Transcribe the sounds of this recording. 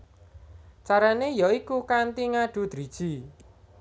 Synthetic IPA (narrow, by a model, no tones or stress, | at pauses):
t͡ʃaɾanejɔikukant̪iŋaɖ̥ṳd̪̥ɾid̥ʒ̥i